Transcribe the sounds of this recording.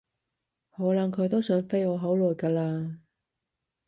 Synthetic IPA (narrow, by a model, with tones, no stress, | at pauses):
hɔː˨˥lɐ˨˧ŋkʰɵ˨˧jt̪o˥wsœː˨˧˥nfe˥jɔː˨˧ɦo˨˥wlɔː˨jkaː˧laː˧